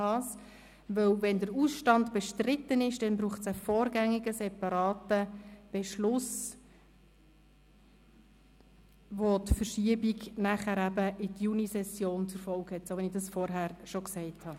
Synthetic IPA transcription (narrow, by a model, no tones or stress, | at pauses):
ɑːs | ʋœwvɛndəɾusʃtɑndb̥ɛʃtɾɪtːənɪʃd̥ɛnbɾuːχtsəfɔːɾɡæŋːiɡəsɛpɑɾɑːtəb̥ɛʃlʊs | ʋotfəɾʃiəbiɡnæχæɾæbəʔɪtjunisɛsjoːnt͡sʊɾfɔlkhɛtsoʋɛnɪxd̥ɑsfɔɾɦæɾʃoksɛɪthɑ